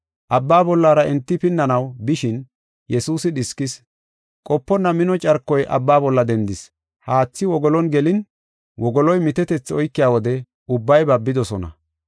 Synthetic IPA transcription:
ʔɐbːaːbɔlːaːɾɐɪnt̪ːɪpɪnːɐnɐwbɪʃɪn | jɛsuːsɪɗɪskːɪs | kʼɔpːɔnːɐmɪnɔt͡ʃʼɐɾkːɔjʔɐ̰bːaːbɔlːɐd̪ɛnd̪ɪs | haːt͡sːɪwɔɡɔlɔnɡɛlɪn | wɔɡɔlɔjmɪt̪ɛt̪ɛt͡sːɪɔjkːɪjaːwɔd̪ɛ | ʊbːɐjbɐbːɪd̪ɔsɔnɐ̰

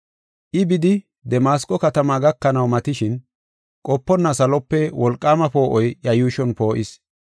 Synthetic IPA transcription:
ʔɪbɪd̪ɪ | d̪ɛmaːskʼːɔkɐt̪ɐmaɡɐkːɐnɐwmɐt̪ɪʃɪn | kʼɔpːɔnːɐsɐlɔpːɛwɔlkʼːaːmɐpo̞ːʔɔjjɐjuːʃɔnpo̞ːʔɪs

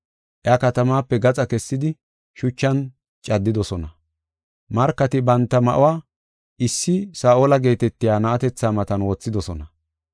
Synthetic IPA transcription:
ʔjakɐt̪ɐmaːpːɛɡɐt͡sʼɐkɛsːɪd̪ɪ | ʃʊt͡ʃːɐn | t͡ʃʼɐd̪ːɪd̪ɔsɔnɐ | mɐɾkːɐt̪ɪbɐnt̪ːɐmɐ̰ʔʊwaː | ɪsːɪsaːʔoːlɐɡe̞ːt̪ɛt̪ːɪjaːnɐʔɐt̪ɛt͡sːaːmɐt̪ɐnwɔt͡sːɪd̪ɔsɔnɐ

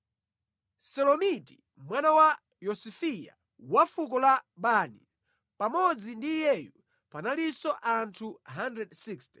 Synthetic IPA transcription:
sɛlɔmiti | mwanawa | jɔsifija̰ | wafuk̬ɔlaɓanḭ | pamɔd͡zindijɛju | panalisɔʔantʰuɦandɛdsiksti̥

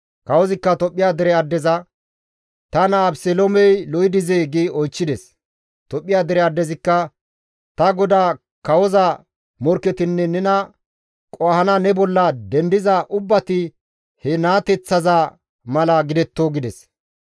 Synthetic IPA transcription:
kɐwɔzɪkːɐt̪ɔpʼːɪjaːd̪ɛɾɛɐd̪ːɛzɐ | t̪ɐnɐːbsɛlomɛjlɔjɪd̪ɪzeːɡeːɔjt͡ʃːɪd̪ɛs | t̪ɔpʼːɪjaːd̪ɛɾɛɐd̪ːɛzɪkːɐ | t̪ɐɡɔd̪aː | kɐwɔzɐ | mɔɾkːɛt̪ɪnːɛnɛnɐ | kʼɔhɐnɐnɛbɔlːɐd̪ɛnd̪ɪzɐʔʊbːɐt̪ɪ | hɛnaːt̪ɛt͡sːɐzɐ | mɐlɐɡɪd̪ɛt̪ːoːɡɪd̪ɛs

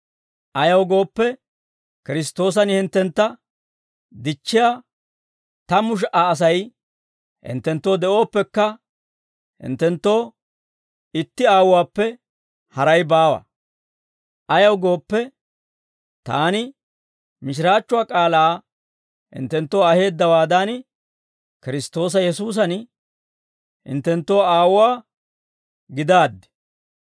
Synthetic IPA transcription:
ɐjɐwɡo̞ːpːɛ | kɪɾɪst̪o̞ːs̬ɐnhɪnt̪ːɛnt̪ːɐ | d̪ɪt͡ʃːɪjaː | t̪ɐmʊʃ̬ʔaːs̬ɐj | hɪ̰nt̪ːɛnt̪ːo̞ːd̪ɛʔo̞ːpːɛkːɐ | hɪ̰nt̪ːɛnt̪ːo̞ː | ɪt̪ːɪaːwwaːpːɛ | hɐɾɐjbaːwɐ̰ | ʔɐjɐwɡo̞ːpːɛ | t̪aːnɪ | mɪʃ̬ɪɾaːt͡ʃːʊwaːkʼaːlaː | hɪ̰nt̪ːɛnt̪ːo̞ːɐhe̞ːd̪ːɐwaːd̪ɐn | kɪɾɪst̪o̞ːs̬ɐjɛsuːs̬ɐn | hɪ̰nt̪ːɛnt̪ːo̞ːaːwaː | ɡɪd̪aːd̪ːɛ̥

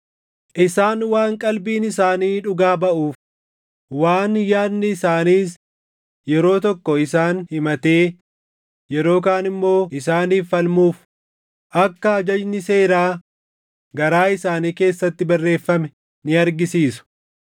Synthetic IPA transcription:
ʔɪsaːnwaːŋkʼɐlbiːnɪsaːniːᶑʊɡaːbɐʔuːf | waːnjaːnːɪːsaːniːs | jɛɾo̞ːt̪ɔkːɔɪsaːnhɪmɐt̪e̞ː | jɛɾo̞ːkaːnɪmːo̞ːɪsaːniːfːɐlmuːf | ʔɐkːɐɐd͡ʒɐd͡ʒnɪse̞ːɾaː | ɡɐɾaːɪsaːniːke̞ːsːɐt̪ːɪbɐrːe̞ːfːɐmɛ | nɪɐɾɡɪsiːsʊ̥

